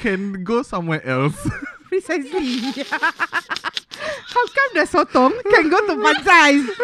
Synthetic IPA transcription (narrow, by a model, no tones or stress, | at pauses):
kʰɛ̃nɡosãmwɛʔɛlspɹisajzmi | haʊkãmdɛsot̪ɔ̃mkɛ̃nɡot̪umãnzajz